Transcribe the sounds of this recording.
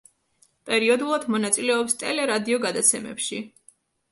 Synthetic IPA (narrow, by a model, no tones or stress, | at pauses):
pʼɛɾiɔd̪ulˠad̪mɔnat̪sʼilɛɔpst̪ʼɛlɛɾad̪iɔɡad̪at̪sʰɛmɛ̰pʃi